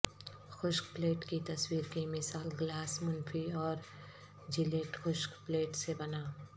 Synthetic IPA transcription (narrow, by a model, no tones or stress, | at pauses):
xʊʃkpleːʈkit̪ɐswiːɾkimɪsaːlɡlaːsmʊnfʰiɔːɾ | d͡ʒɪleːʈxʊʃkpleːʈsebɐnaː